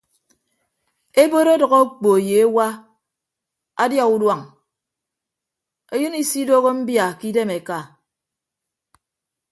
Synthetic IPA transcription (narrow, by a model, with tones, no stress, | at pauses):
e˦bo˦ɾo˦dɔ˨ɣɔ˦k͡po˨je˨e˦wa˦ | a˦dja˦ku˦dwa˨ŋ | e˦jɨ˦ni˦˨si˦do˦ɣo˦m̩˦bja˨ki˦de˦me˨ka˨